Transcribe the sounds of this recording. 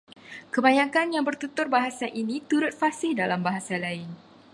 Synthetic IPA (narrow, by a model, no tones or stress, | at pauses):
kəbaɲãkanjaŋbərt̪ut̪ʊrbaɦasaʔinit̪uɾʊt̪̚fasɪhdalambaɦasalaɪn